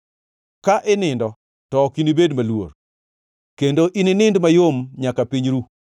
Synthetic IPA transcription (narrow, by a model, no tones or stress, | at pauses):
kaʔɪnɪndɔ | tɔkinibedmalwo̰r | kendoʔininɪndmajomɲakapiɲɾu